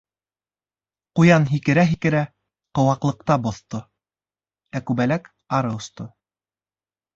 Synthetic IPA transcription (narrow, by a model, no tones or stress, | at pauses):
qujɑnɦikɘ̆ɾæɦikɘ̆ɾæ | qŏwɑqlˠɤ̆q̚t̪ɑbŏθt̪o | ækʉbælæk | ɑɾɤŏst̪o